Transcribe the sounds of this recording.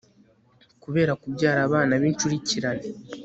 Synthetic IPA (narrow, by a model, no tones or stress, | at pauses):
kuβe̞ːɾakubɟaːɾaːβaːnaβint͡ʃuɾiciɾane